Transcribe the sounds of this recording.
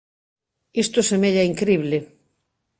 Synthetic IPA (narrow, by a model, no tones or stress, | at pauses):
ist̪osemeʎaiŋkɾiβle